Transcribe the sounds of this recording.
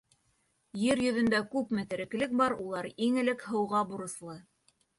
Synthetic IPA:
jɘɾjɵ̆ðɵ̆nd̪ækʉpmɘ̆t̪ɘ̆ɾɘ̆klɘk̚bɑɾulˠɑɾiŋɘ̆lɘkhɤ̆wʁɑbuɾɤ̆slˠɤ

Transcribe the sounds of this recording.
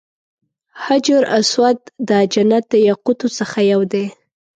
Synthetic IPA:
had͡ʒʊɾaswat̪̚d̪əad͡ʒanat̪̚d̪əjaqʊt̪ot͡səxajawd̪e

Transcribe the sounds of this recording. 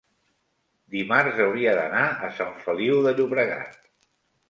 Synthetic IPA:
d̪imarzəwɾiəðənaəsaɱfəliwðəʎuβɾəɣa̰t̪̚

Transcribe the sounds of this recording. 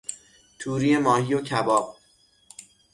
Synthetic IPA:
t̪ʰuːɾiːe̞mɒːhijocʰæbɒːb̥̚

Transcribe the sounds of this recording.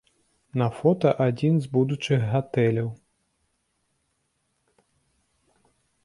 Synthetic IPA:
nɐfɔt̪ɐʔad͡zʲinzbud̪ut͡ʂɨɣːat̪ɛlʲɐw

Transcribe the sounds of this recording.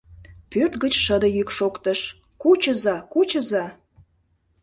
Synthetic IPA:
pørt̪ɣət͡ɕʃəd̪əjykʃokt̪əʃ | kut͡ɕəzɑkut͡ɕəzɑ

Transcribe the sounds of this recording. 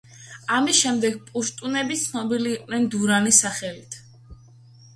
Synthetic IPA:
amisʃɛmd̪ɛɡ̚pʼuʃt̪ʼunɛbit̪sʰnɔbiliːqʼnɛnd̪uɾanisaχɛlit̪ʰ

